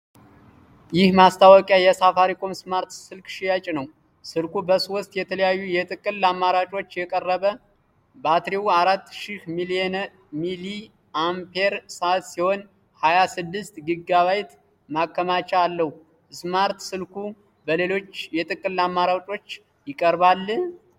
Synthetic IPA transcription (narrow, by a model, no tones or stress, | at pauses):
jɪhmast̪ʰawəkʼjajɛsafaɾikʰʼo̞msmaɾt̪sɨlkʃijat͡ʃʼnəw | sɨlkubəso̞st̪jɛt̪ʰələjajːujɛt̪ʼɨkʼɨlːamːaɾat͡ʃʼo̞t͡ʃːjɛkʼərːəβə | bat̪ɾiwaɾat̪ːʃɪhmiliɛn | mili | ampʰeɾsat̪siho̞n | hajasɨd̪ːɨst̪ɡɨɡaβajt̪ | makːəmat͡ʃːaalːəhu | ɨsmaɾt̪sɨlkʰu | bəle̞lo̞t͡ʃːjɛt̪ʼɨkʼːɨlːamːaɾat͡ʃʼo̞t͡ʃː | jɪkʼːəɾbalː